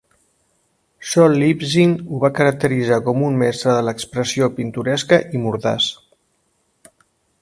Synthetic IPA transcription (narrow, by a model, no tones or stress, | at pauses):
ʃɔlibziŋuβakəɾək̚t̪əɾizakɔmummɛst̪ɾəðələkspɾəsiopint̪uɾɛskəʔimuɾða̰s